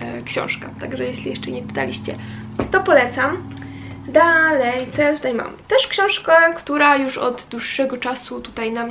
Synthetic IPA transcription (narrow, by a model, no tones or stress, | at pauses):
kɕɔ̰̃w̃ʂkat̪aɡʐɛjeɕlʲijɛʂt͡ʂɛɲɛpɘ̥t̪a̰lʲiɕt͡ɕɛ̰ | t̪ɔpɔlɛt̪sam | d̪alɛjt̪sɔjat̪ut̪ajma̰mt̪ɛʂkɕɔ̃w̃ʂkakt̪uɾajuʂɔ̰d̪d̪wuʂːɛɡɔt͡ʂasut̪ut̪ajnam